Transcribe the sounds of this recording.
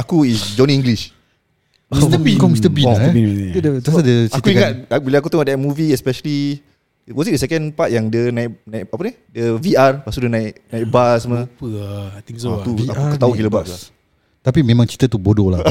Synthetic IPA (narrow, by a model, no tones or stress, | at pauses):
akuisd͡ʒɔniĩŋɡliʃ | əbikɔmsit̪əbi | dəasadət͡ʃatkuiŋat̚bilaakut̪əŋɔʔdɛt̚muviɛspɛʃəli | wɔsidəsɛkənpat̚jaŋdənaiknaikapani | dəviarpasudənaiʔnaik̚basəməpət̪iŋst̪uaukət̪aukiləbaʔa | t̪apimẽmãŋt͡ʃi̥t̪at̪ubodola